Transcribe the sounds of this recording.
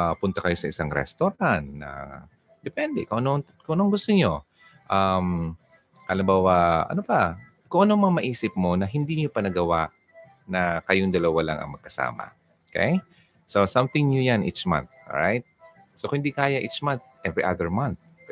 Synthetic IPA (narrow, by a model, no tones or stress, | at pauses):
apʊnt̪ɐkɐjo̞sɐɪsaŋɾɛ̰st̪oɾanːɐ̰ | d̪̥ɛpɛnd̪ɛkʊŋʔɐno | kʊ̃ŋʔɐnoŋɡʊst̪oɲo̞ | ʔam | ʔɐlɪmbaːwɐɐ̰nopɐ | kʊŋʔɐnoŋmɐŋamɐʔiːsɪp̚mo̞nɐɦɪnd̪iɲopɐnɐɡɐwaʔ | nɐkɐjoŋd̪ɐlɐwalaŋʔɐ̰ŋmɐɡ̚kɐsa̰ːmɐ̰ | okɛ̰j | sosamt̪ɪŋɲojanʔḭt͡ʃmã̰nθ̚o̰ɹa̰jt̪̚ | sokhɪnd̪ikaːjɐʔit͡ʃmanθ̚ʔɛvɹiʔaðɛɹmant̪̚